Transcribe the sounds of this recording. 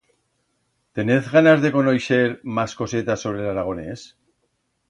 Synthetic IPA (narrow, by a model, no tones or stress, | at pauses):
t̪e̞neθɣanazðe̞ko̞nojʃe̞ɾmasko̞se̞t̪aso̞β̞ɾe̞laɾaɣ̞o̞ne̞s